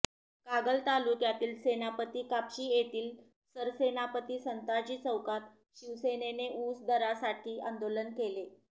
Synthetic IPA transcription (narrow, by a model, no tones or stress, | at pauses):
kaɡəlt̪alukjat̪iːlsenapət̪iːkapɕiːjet̪iːl | səɾsenapət̪iːsənt̪at͡ɕiːt͡səwkat̪ | ɕiʋseneneʔusd̪əɾasaʈʰiːʔand̪olənkele